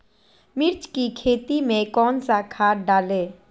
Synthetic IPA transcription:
mɪɾt͡ʃkikʰeːt̪imẽkɔːnsakʰaːɾɖaːleː

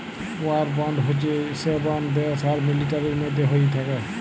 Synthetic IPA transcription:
waɾbɔndɦot͡ʃisebɔndd̪esaɾmilitaɾiɾmɔjd̪ʱːeɦojt̪ʰakɛ

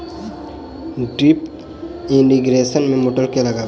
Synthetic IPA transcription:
ɖɾip | ɪniɡɾeːsənmẽmoʈəɾkelɐɡaː

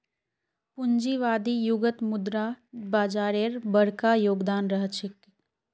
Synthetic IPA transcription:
pund͡ʒiːʋaːd̪iːjuɡət̪mud̪ɾabaːd͡ʒaːɾeːɾbəɽkajoːɡd̪aːnɾəɦət͡ʃʰik

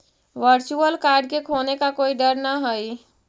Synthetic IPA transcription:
ʋəɾt͡ʃuəlkaɾɖ̚kekʰonekakoiɖəɾnaɦəj

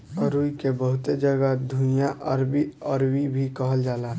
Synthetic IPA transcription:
əɾuikebəɦʊt̪ed͡ʒəɡəd̪ʱũnjaʔəɾbiəɾwibʱikəɦəld͡ʒaːlaː

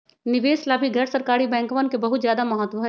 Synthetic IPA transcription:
nɪʋeːslaːbʱiɡʱɛːɾsəɾkaːɾibɛ̃ːŋkʋənkebɐɦʊt̪zjaːd̪amɐɦət̪ːʋəɦɛ

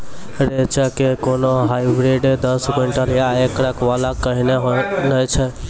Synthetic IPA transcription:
ɾet͡ʃəkekonoɦajbɾeɖed̪əsɡʊɳʈəɾjaekɾəkʋalakəɦineɦnəjt͡ʃʰɛ

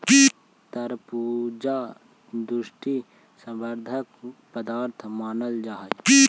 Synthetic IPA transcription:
t̪əɾpuːd͡ʒaː | d̪uʃʈi | sə̃mbəɾd̪ʱəkpəd̪aːɾt̪ʰmaːnəld͡ʒaːɦ

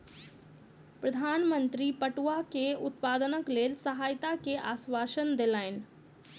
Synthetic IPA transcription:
pɾəd̪ʱaːnmənt̪ɾipəʈuakeʊt̪̚paːd̪ənəkleːlsəɦaːjt̪akeʔaːsʋaːʃənd̪elaɪn

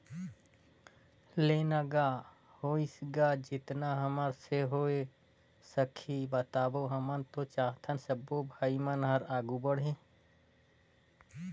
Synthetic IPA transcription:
lenaɡa | hoisɡad͡ʒɪt̪naɦəməɾseɦoe | səkʰibət̪aːboɦəmənt̪ot͡ʃaːɦt̪ʰənsəbːobʱaimənɦəɾaːɡubəɽ̤ɦe

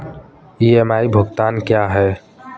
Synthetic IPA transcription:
iemaːibʱʊɡt̪aːnkjaɦɛː

